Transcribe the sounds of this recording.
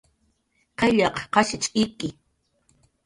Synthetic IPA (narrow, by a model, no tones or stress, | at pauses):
qeʎɑqqɑʃɪt͡ʃʼɪkɪ